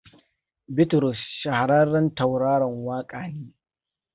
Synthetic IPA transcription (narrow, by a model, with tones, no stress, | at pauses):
bɪ˦tɾʊ˨sʃɐ˨ha˨ɾɐ˦ɽɐ˦nta˨wɽaː˦ɽɐ˨ŋwaː˦kʼaː˨niː˦